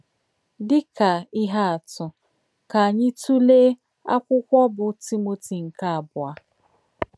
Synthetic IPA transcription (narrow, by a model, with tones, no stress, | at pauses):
dɪ˦ka˨ɪ˦ɦa˦a˨tʊ˨ | ka˨a˨ɲɪ˦tu˦le˦ | a˦kʷʊ˦kʷɔ˦bʊ˨ti˦mo˨ti˨ŋ̩˨ka˦a˨bʊ˨a˨